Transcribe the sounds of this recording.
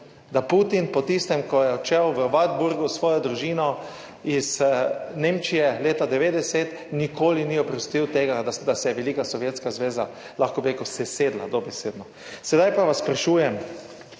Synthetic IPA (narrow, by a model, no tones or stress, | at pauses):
d̪aput̪inpɔt̪ist̪ɛmkɔjɛɔt͡ʃɛwʋəʋad̪buɾɡusʋɔːjɔd̪ɾuʒiːnɔ | izneːmt͡ʃijɛleːt̪ad̪ɛʋeːd̪ɛsɛt̪ | nikoːliniɔpɾɔst̪iwt̪eːɡad̪ad̪asɛjɛʋɛlikasɔʋjeːt̪skazʋeːza | laxkɔbiɾekəwsɛseːd̪la̰d̪obɛseːd̪nɔ | sɛd̪ajpaʋasːpɾaʃuːjɛm